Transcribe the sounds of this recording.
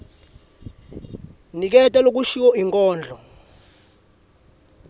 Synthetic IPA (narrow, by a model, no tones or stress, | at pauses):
nik̬ɛtʼɛlok̬uʃiwɔiŋkʼɔːnd͡ɮʱɔ